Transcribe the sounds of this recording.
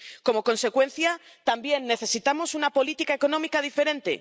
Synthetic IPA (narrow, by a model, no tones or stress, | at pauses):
ko̞mo̞ko̞nse̞kwe̞nθja | t̪ambje̞nːe̞θe̞sit̪amo̞sunapo̞lit̪ikae̞ko̞nõ̞mikaðife̞ɾẽ̞nt̪ḛ